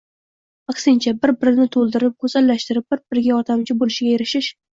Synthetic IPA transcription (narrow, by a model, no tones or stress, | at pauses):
ɑqsɪnt͡ʃʰabɪɾbɪɾɪnɪt̪ʰolˠd̪ɪɾɪp̚kʰɵzalːaʃt̪ɪɾɪp̚b̥ɪɾb̥ɪɾɪɡʲaɒt̪ʰamt͡ʃʰɪbolɪʃɪɡʲajeɾɪʃɪʃ